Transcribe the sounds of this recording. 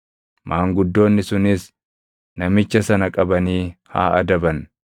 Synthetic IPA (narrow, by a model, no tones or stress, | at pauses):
mʔaːŋɡʊd̪ːo̞ːnːɪsʊnɪs | nɐmɪt͡ʃːɐsɐnɐkʼɐbɐniːha̰ːɐd̪ɐbɐn